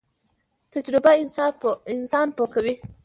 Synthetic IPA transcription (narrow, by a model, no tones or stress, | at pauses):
t̪ɐd͡ʒɾɪbaɪnsɪnsɑːnpokɐwi